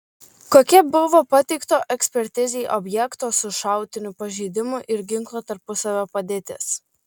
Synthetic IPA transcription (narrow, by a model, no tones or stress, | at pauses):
koːkʲɛbʊʋoːpɑt̪ʲɛɪkt̪oːʔɛksʲpʲɛɾʲt̪ʲɪzʲɛɪʔɔbʲjɛkt̪oːsʊʃɑˑʊt̪ʲɪnʲʊpɐʒʲɛɪd̪ʲɪmʊʔɪɾɡʲɪŋklˠoːt̪ɐɾpʊsɐʋʲoːpɐd̪ʲeːt̪ʲɪ̰s